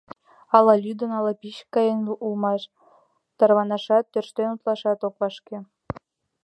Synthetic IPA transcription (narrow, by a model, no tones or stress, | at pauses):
ɑlɑlʲyd̪ə̆nɑlˠɑpʲiɕkɑjenuʔulmɑʃ | t̪ɑrβɑnɑʃɑt̪ːørʃt̪enut̪lˠɑʃɑt̪okβɑʃkʲe